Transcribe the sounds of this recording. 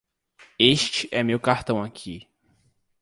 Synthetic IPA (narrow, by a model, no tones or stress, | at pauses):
eʃt͡ʃɪʔɛmewkaɾt̪ɐ̃w̃akʰi